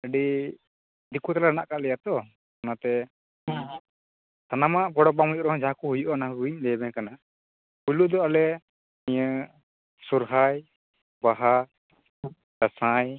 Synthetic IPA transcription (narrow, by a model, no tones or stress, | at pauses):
əɖi | d̪ikut̪alana̰ʔkaʔlɛjat̪ɔ | kanat̪ɛ | t̪anamaʔbɔɽɔbamujuʔɾɔɦɔ̃d͡ʒakuɦujuʔɔnaɦɡiɲlɛjbɛkana | puluʔd̪ɔalɛ | iɲə | suɾɦaj | baɦa | d̪asaj